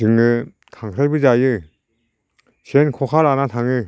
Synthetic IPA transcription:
d͡ʒɯŋɯ | kʰaŋkʰɾajbɯd͡ʒajɯ | senkʰɔkʰalanat̪ʰaŋɯ

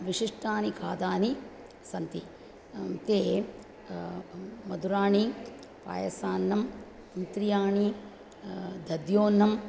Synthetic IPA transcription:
ʋiʂiʂʈaːnikʰaːd̪aːni | sɐnt̪i | t̪eː | mɐd̪uɾaːɳi | pa̰ːjɐsaːnːɐm | nt̪ɾijaːɳi | d̪ʱɐd̪joːnːɐm

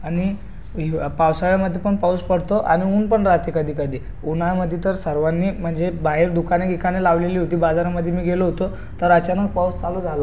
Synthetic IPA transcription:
añi | pawsaɭjaməd̪ʱːjepəɳpawspəɽ̤t̪oʔa̰ñiuːnpəɳɾat̪ekəd̪ʱiːkəd̪ʱiː | unajməd̪ʱːjet̪əɾsəɾʋanːiːm̤əɳd͡zebaɦeɾd̪ukaneɡikanelaʋleliːɦot̪iːbad͡zaɾaməd̪ʱːjemiːɡʱeloɦot̪o | t̪əɾat͡ɕanəɡ̚pawst͡salod͡zʱala

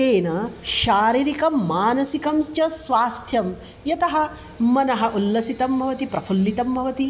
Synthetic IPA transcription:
eːnɐʃaːɾiɾikɐːaːnɐsikɐmst͡ʃɐsʋaːst̪ʰjɐm | jɐt̪ɐɦɐ̆ | mɐnɐɦɐʔulːɐsit̪ɐmbʱɐʋɐt̪ipɾɐpʰulːit̪ɐmbʱɐʋɐt̪i

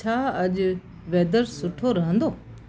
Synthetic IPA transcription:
aːɐʄ | ʋeːd̪əɾsʊʈʰoːɾɐɦə̃nd̪oː

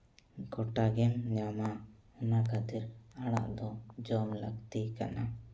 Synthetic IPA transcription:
ɡɔʈaɡɛmɲama | ɔnakad̪iɾaɽ̃a̰ʔd̪ɔd͡ʒɔmlakt̪ikana

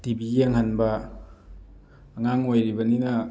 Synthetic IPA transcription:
tibiɡiaŋɦanbɐ | ŋaŋojɾibɐninɐ

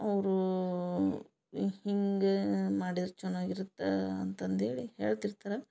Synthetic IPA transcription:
ɐʋɾu | hiŋɡemaːɽid̪ɾut͡ʃɛnːaːɡiɾut̪ːeɐ̰nt̪ɐnd̪eːɭihḛːɭt̪iɾt̪aːɾe

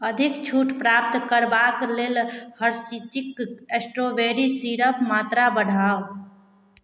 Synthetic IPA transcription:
əd̪ʱikt͡ʃʰuːʈpɾaːp̚t̪kəɾbakleːlhəɾsit͡ʃikesʈɾobeɾisiɾəpmaːt̪ɾabəɽ̤ʱaːo

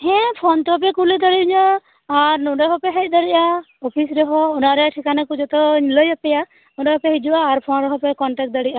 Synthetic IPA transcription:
hɛ̃pʰɔnt̪ɔɦɔp̬ɛkulid̪aɽiɲaː | ɾnuɖɛɦɔpɛɦɛt̪̚ˀd̪aɽiʔa | ɔpʰisɾɛɦɔunaɾɛʈʰikanakud͡ʒɔt̪ɔɲləjapɛja | nuɖɛɦɔpɛɦid͡ʒuʔaːɾpʰɔnɾɛɦɔpɛkɔɳʈɛk̚d̪aɽiʔa

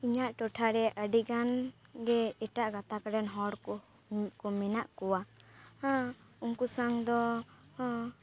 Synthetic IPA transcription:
iɲaʔʈɔʈʰaɾɛʔəɖiɡanɡɛɛʈaʔɡat̪akaɖɛnɦɔɽkɔ | kɔmɛnaʔkɔwa | uŋkusaŋd̪ɔ

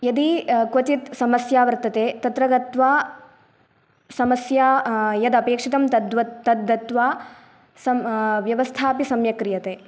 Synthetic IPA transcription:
jɐd̪ikʋɐt͡ʃit̪sɐmɐsjaːʋɐɾt̪ːɐt̪eːt̪ɐt̪ɾɐɡɐt̪ʋaː | sɐmɐsjaːjɐd̪ɐpeːkʂit̪ɐmd̪ʋɐt̪ːɐd̪ːɐt̪ʋaː | sɐmʋjɐʋɐst̪ʰaːpisɐmjɐkɾijɐt̪eː

